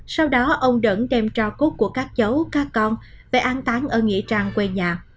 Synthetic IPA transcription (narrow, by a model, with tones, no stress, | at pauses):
sa˧wɗɔ˨˦ʔə˧wŋ͡mɗə̰˧˩nɗɛ˧mt͡ɕɔ˧ko˦˥t̚ku˧˩əkaː˦˥k̚t͡ɕə˨˦wkaː˦˥kːɔ˧n | ve˨˩ʔaː˨˦nt̪aː˨˦nʔəː˧˩ŋḭ˧˥ət͡ɕaː˧ŋkwe˧ɲaː˨˩